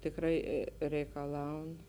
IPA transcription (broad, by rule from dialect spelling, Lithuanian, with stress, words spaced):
tʲɪkˈrɐɪ rʲɛɪkɐˈlˠɐʊn